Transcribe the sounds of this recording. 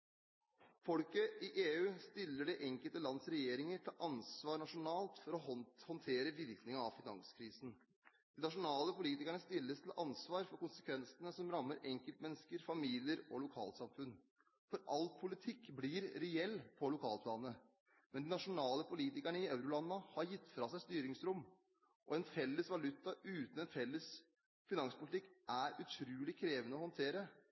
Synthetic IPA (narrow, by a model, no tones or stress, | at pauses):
fɔlkəʔɪʔeːʉːst̪ɪlːəɖɛʔɛŋkəlt̪əlɑnsɾɛjeːɾɪŋəɾt̪ʰɪlʔɑnsʋɑːɾɳɑʂʊnɑːlt̪fɔɾɔhɔnt̪ʰeːɾəʋɪɾknɪŋɑɑʋfɪnɑŋskʰɾiːsn̩ | d̪̥ɪnɑʂʊnɑːləpʊliːt̪ɪkaɳəst̪ɪlːəst̪ʰɪlʔɑnsʋɑːɾfɔɾkʊnsə̥kʰʋɛnsənəsɔmɾɑmːəɾɛŋkəlt̪mɛnːəskəɾfɑmiːlɪəɾɔlʊkʰɑ̰ːlt̪sɑmfʉn | fɔɾʔɑlt̪̚pʰʊlɪt̪ʰɪkːbliɾɾɛɛlːpʰɔlʊkʰɑːlpʰlɑːnə | mɛnd̪ɪnɑʂʊnɑːləpʰʊliːt̪ɪkæɳəɪæʉɾʊlɑnːɑhɑɾjɪt̪ːfɾɑːsæɪst̪yːɾɪŋsɾʊmː | ʔɔɛnfɛlːəsʋɑlʉt̪ːɑʔʉːt̪nɛnfɛlːəs | fɪnɑŋspʊlɪt̪ɪkːʔæɾʉt̪ʰɾʉːlɪkʰɾeːʋənəɔhɔnt̪ʰeːɾə